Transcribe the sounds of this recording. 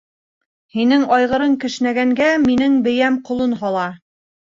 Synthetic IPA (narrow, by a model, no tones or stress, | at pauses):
hinɘŋɑjʁɤ̆ɾɤŋkɘ̆ʃnæɡæŋɡæminɘŋbɘ̆jæmqŏlˠɤnɦɑlˠɑ